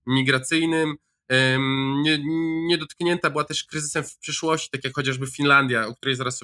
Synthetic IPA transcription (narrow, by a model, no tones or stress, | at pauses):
mʲiɡɾat̪sɘjnɘm | ɲɛɲɛd̪ɔt̪kɲɛnt̪abɘwat̪ɛʂkɾɘzɘ̥sɛmfpʂɘʂwɔɕt͡ɕi̥t̪akʲjakxɔt͡ɕaʐbɘfʲinland̪ʲjaɔkt̪uɾɛjzaɾas